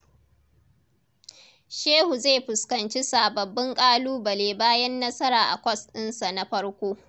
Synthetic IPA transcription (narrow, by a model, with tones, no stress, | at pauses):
ʃeː˦hu˨zeː˦˨ɸʊ˨skɐ˨nt͡ʃi˦saː˨bɐ˨bːɪ˦ŋkʼaː˦luː˦bɐ˨leː˨baː˦jɐ˦nːɐ˦sɐ˦ɾaː˨ʔa̰˨kʷɔ˦stɪ˦nsa˨na˦ɸɐ˦ɽkʷoː˦